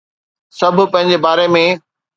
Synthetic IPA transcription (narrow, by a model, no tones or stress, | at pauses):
sɐbʱʊ̆pɐ̃ɦɪ̃ɲ̆d͡ʑebaːɾemẽ